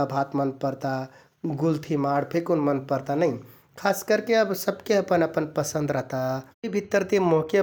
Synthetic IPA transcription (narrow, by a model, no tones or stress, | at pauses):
əbʱat̪mənpəɾt̪a | ɡult̪ʰimaɽpʰekonmənpəɾt̪anəj | kʰaskəɾkeəbsəbkeəpənəpənpəsə̃nd̪ɾəɦt̪a | bʱit̪ːəɾt̪imokjə